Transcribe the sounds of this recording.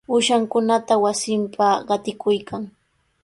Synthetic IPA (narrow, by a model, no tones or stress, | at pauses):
ʊʃaŋkʊnat̪awasɪmpʰaɢɑt̪ɪkʊjkʰaŋ